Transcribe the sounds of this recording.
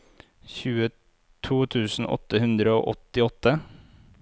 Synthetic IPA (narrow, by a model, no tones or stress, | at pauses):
çʉːə | t̪ʰuːt̪ʰʉːsn̩ʔɔ̰t̪ːəhʉnd̪ɾəo̰ːʔɔt̪ɪɔt̪ːə